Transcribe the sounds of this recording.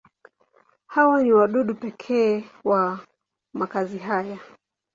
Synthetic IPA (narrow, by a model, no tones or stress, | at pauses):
hawaniwaɗuɗupɛkʰɛːwa | makaziɦaja